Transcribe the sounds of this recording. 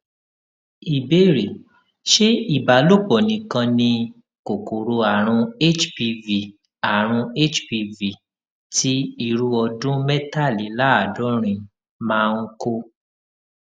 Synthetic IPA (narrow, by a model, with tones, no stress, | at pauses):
i˨be˦ɾe˨ | ʃe˦i˦˨ba˨˦lo˦˨bɔ˨nĩ˨˦kã˧nĩ˧ | ko˨ko˨ɾo˧a˨ɾ̃ũ˧e˦t͡ʃpi˧vi˨ | a˨ɾ̃ũ˧e˦˨t͡ʃpi˧vi˨ | ti˦i˧˨ɾu˧ɔ˧dũ˦mɛ˦ta˦˨li˨˦la˦a˨dũ˨˦ɾ̃ĩ˨˧ | mãː˦˧ŋ̩˦ko˦